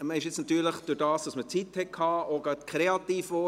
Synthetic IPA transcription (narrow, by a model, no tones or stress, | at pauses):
məɪʃjɪt͡snɑt̪yːɾləχd̥ʊɾdɑːsd̥ɑsmət͡sithɛtkʰhɑːʔoɡɑtkʰɾeɑt̪iːfoː